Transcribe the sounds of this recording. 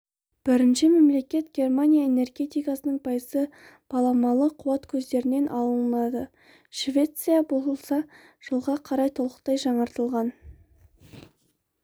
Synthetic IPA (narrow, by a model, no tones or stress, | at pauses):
b̥ɪɾɪnʃɪme̞mle̞kʲe̞t̪ɡʲe̞rmanʲijaene̞rɡʲe̞t̪ijkasənəɴbɑjəsə | b̥ɑlˠɑmɑlˠəqʰʊwɑt̪kʲʰɵzd̪e̞ɾɪne̞nʔɑlˠənlˠɑd̪ə | ʃvʲe̞t̪sɨjabo̞ləlˠsɑ | ʒ̥əlˠʁɑqʰɑɾɑjt̪ʰolˠəqt̪ɑjʒɑɴəɾt̪əlˠʁɑn